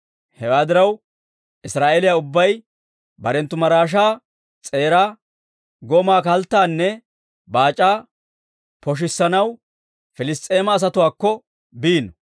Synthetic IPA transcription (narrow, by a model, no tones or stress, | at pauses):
hɛwaːd̪ɪɾɐw | ʔɪsɾaːʔeːlɪjaʊbːɐj | bɐɾɛnt̪ːʊmɐɾaːʃ̬aː | t͡sʼe̞ːɾaː | ɡɔmaːkɐlt̪ːaːnːɛ | baːt͡ʃʼaː | pɔʃ̬ɪsːɐnɐw | fɪlɪst̪ʼːe̞ːmɐːs̬ɐt̪ʊwaːkːɔ | biːnɔ